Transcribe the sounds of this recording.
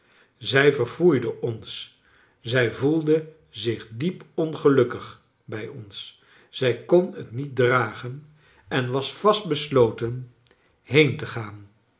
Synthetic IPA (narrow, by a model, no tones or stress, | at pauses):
zɛjvəɹvujdəʔɔns | zɛjvulˠdə | zɪχdipɔnχəlɵkəχ | bɛjɔns | z̥ɛjkɔnə̰tnit̚draːχən | ʔɛnʋɑsfɑst̚bəslowtən | ɦejntəχaːn